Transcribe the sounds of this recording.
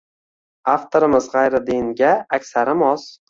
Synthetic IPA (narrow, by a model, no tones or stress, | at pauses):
aft̪ʰoɾɪmɪzʁajɾɪd̪enɡʲaːkʲsaɾɪmɒz̥